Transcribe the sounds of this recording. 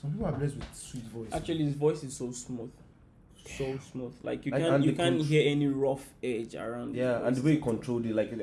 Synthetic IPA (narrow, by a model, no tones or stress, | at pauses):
sɔ̃mpipl̩ablɛst̚wɪð̥switvɔɪsa̰k̚t͡ʃualiɪzvɔɪsɪz̥sosmuθ | sosmuðla̰ɪkjukãñjukãnɦiɛniɹɔfɛd͡ʒə̰ɹãʊ̃ndjaã̰nðəwekʰɔ̃ntʰɹolˠdɪtlaɪk